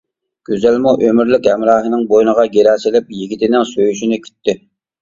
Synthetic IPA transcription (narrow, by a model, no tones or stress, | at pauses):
ɡ̥ʲøzælmuʔømyɾlɪkʲhɛmɾɑːɦɨnɪŋbojnəʁɑɡʲeɾæsɪlɪp̚jiɡʲit̪ʰɪnɪŋsøjyʃinɪkʲʰy̥t̪ːɪ